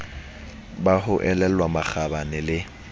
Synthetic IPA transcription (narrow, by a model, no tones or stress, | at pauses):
bahʊʔɛlɛlwamak͡xabanɪlɪ